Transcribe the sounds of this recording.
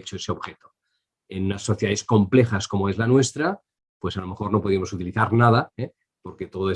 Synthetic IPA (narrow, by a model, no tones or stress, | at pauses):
t͡ʃoese̞o̞βxet̪o | enunasːoθjaðe̞sko̞mple̞xaskomoe̞zlanwe̞st̪ɾa | pwe̞salo̞me̞xo̞ɾno̞po̞ð̞iamo̞sut̪iliθaɾnað̞ae | po̞ɾket̪oðoe